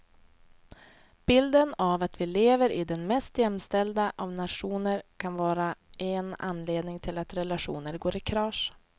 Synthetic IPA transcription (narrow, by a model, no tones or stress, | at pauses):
b̥ɪld̪ənavat̪vɪleːvəɾʔɪ̰d̪ɛnmɛst̪jɛmːst̪ɛld̪aʔavnat̪ʂuːnəɾkʰanvɑːɾaʔɛna̰nːleːd̪nɪŋt̪ʰɪlat̪ɾɛlaʂṵːnəɾɡoːɾɪkʰɾɑːʂ